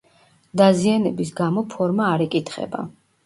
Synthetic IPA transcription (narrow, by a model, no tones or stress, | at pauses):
d̪azianɛbis̬ɡamɔpʰɔɾmaːɾɛkʼit̪ʰχɛ̰ba̰